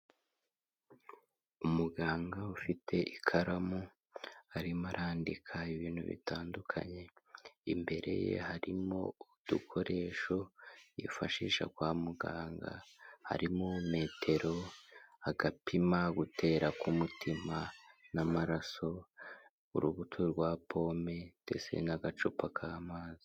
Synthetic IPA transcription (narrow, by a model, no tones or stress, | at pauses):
umuɡaːŋɡaufitʰe̞ʔikʰaɾamu | aɾimaɾʔaːndikʰaiβiːnhṵβḭtaːndukʰa̰ɲe̞imbe̞ɾʔe̞̰je̞̰haɾimo̞̰ud̪̥ukʰo̞ɾe̞ːʃo̞jḭfaʃiːʃa̰kwaːmuɡaːŋɡa̰ha̰ɾimume̞ːtʰe̞ɾo̞aɡapʰimaɡutʰe̞ːɾakumutimanamaɾaso̞ | ṵɾuβutʰuɾɡwapʰo̞ːme̞d̥e̞̰sḛnaɡat͡ʃupakʰaːmaːzi